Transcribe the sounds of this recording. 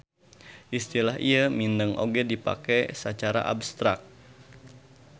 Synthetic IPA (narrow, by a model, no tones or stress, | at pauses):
ʔist̪ilaɦiamindəŋʔo̰ɡɛdipa̰kɛsət͡ʃaɾa̰ʔa̰bst̪ɾak̪̚